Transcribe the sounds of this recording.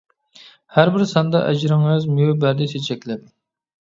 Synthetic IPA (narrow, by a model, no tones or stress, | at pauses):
hæɾbɪɾsɑnd̪ɑʔɛd͡ʒɾɪŋøzmyjubæɾd̪ɪsʰet͡ʃʰɛkʲlɛp̚